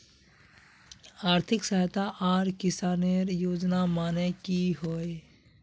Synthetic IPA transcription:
aːɾt̪ʰɪksəɦt̪aʔːɾkɪsaːneɾjoːd͡ʒnamaːnekiɦoːe

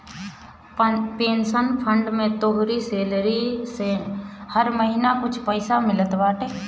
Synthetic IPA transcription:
peːnsənpʰə̃ɳɖmẽt̪oɦʊɾiseːlɾisehəɾməɦinakʊt͡ʃʰpəɪsamɪlət̪ʋaːʈeː

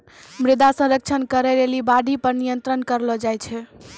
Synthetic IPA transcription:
mɾɪd̪asə̃ɾək̚t͡ʃʰənkəɾɛɾelibaɖʱipəɾnijənt̪ɾənkəɾlɔd͡ʒajt͡ʃʰɛ

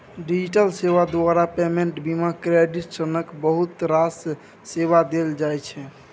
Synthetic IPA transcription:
ɖid͡ʒiʈəlseʋad̪waɾapemẽɳʈbimakɾeɖiʈsənəkbəɦut̪ɾas | sebad̪eld͡ʒajt͡ʃʰɛ

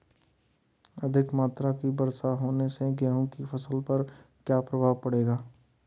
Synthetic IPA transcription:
ɐd̪ʱɪkmaːt̪ɾakibɐɾsaɦoːneseɡɛɦũkifʰɐsəlpɐɾkjaːpɾɐbʱaːʋpɐɽeːɡaː

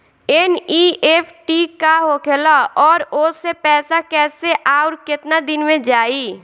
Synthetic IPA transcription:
eniːʔepʰʈikaɦokʰeːlaɔːɾosepɛːsakɛːseʔaːʊɾkɪt̪nad̪ɪnmẽd͡ʒaːi

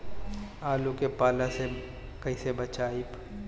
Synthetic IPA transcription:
aːlukepaːlãse | kɐisebɐt͡ʃaːip

